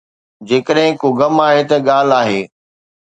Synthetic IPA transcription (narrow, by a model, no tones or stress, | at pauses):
d͡ʑeːkəɗɦɪ̃koɡɐmaːɦet̪ɐɠaːl̤aːɦeː